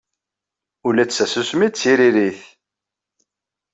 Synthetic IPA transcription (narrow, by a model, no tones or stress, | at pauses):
ulæsæsusmit͡sːiɾiɾiθ